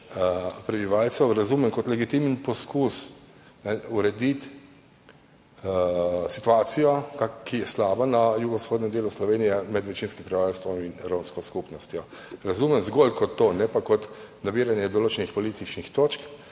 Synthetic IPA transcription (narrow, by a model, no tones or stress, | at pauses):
pɾɛbiʋaːlsɛwɾazuːmɛmkɔt̪lɛɡit̪imnpɔskus | nɛuɾɛd̪it̪ | sit̪uaːt̪sijɔkakːijɛslaːbanajuɡɔsxoːd̪nɛmd̪eːluslɔʋeːnijɛmɛd̪ʋɛt͡ʃiːnskimpɾiʋalst̪ʋɔminɾõwnskɔskupnɔst̪jɔ | ɾazuːmɛmzɡolkɔt̪ːonɛpakɔt̪nabiːɾanjɛd̪ɔloːt͡ʃɛnixpɔlit̪it͡ʃnixt̪oːt͡ʃk